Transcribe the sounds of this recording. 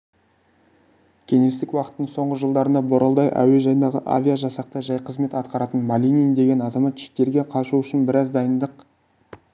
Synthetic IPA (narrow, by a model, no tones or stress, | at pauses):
kʲʰe̞ŋe̞st̪ɪkwɑqə̥t̪ːəɴso̞ɴʁəʒəlˠd̪ɑɾənɑboɾʔɑlˠd̪ɑjʔæ̰we̞ʒɑjənd̪ɑʁə̰ʔa̰vʲijaʒɑsɑq̚t̪əʒɑjqʰəzme̞t̪ɑt̪qɑɾɑt̪ənmalʲinijnd̪e̞ɡʲe̞nɑzɑmɑt̪ʒek̚t̪e̞ɾɡʲe̞qʰɑʃuʏʃɪnbɪɾɑzd̪ɑjənd̪əq